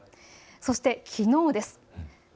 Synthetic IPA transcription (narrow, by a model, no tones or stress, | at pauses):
so̞ɕi̥t̪e̞kʲʰino̞ːd̪e̞sɨ̥